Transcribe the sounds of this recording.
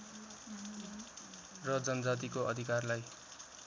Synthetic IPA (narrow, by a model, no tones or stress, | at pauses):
rʌd͡zʌnʌd͡zat̪̬ikoʔʌd̪ʱikarlaj